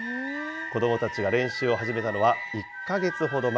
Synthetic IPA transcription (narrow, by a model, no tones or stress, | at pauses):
ko̞d̪o̞mo̞t̪at͡ɕiɡaɾẽ̞ɰ̃ɕɨːo̞ɦaʑime̞t̪ano̞βa | ikːaɡe̞t͡sɨɦo̞d̪o̞ma